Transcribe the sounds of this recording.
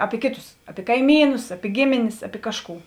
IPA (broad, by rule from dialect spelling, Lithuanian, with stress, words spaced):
ˈɑːpʲɪ ˈkʲeːˌtʊs ˈɑːpʲɪ kɐɪˈmʲiːnʊs ˈɑːpʲɪ ˈɡʲeːmʲeːnʲeːs ˈɑːpʲɪ ˈkɑːʃˌkuː